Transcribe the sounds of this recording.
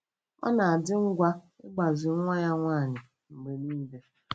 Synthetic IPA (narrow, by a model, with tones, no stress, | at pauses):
ɔ̰˦na˨a˨dɪ˦ŋ̩˦ɡʷa˦ | ɪ̰˦ɡ͡ba˨zi˨˦ŋʷa˦ja˦ŋʷaː˦˨ɲɪ˨ | m̩˨ɡ͡be˨niː˦de˨